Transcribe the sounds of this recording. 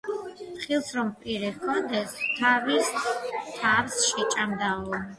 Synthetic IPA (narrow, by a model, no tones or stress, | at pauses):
χilˠsɾɔmpʼiɾɛkʰɔnd̪ɛst̪ʰavist̪ʰavsʃɛt͡ʃʼamd̪aɔ